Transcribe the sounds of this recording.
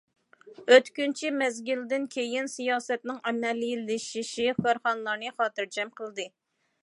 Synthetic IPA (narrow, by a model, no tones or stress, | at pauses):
øt̪kʲynt͡ʃʰimɛzɡʲyld̪ɪnkʲʰejinsijɑːsɛt̪nɨŋɛmɛlːjilːɪʃiʃiχøɾχɑnlˠɑɾnɨχɑːt̪ɨɾd͡ʒɛmqʰəlˠɨd̪ɨ